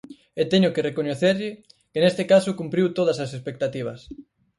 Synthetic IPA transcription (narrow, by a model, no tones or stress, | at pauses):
et̪eɲʊkerekoɲeθeɾʎɪ | kenest̪ɪkasʊkumpɾiwt̪oð̞ɐsɐsespek̚t̪at̪iβ̞ɐ̰s